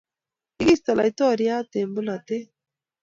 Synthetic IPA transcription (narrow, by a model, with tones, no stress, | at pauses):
i˦ɡi˦st̪a˨la̰˨jt̪o˦˨ɾija˦t̪e˨mbu˦na˨t̪e˦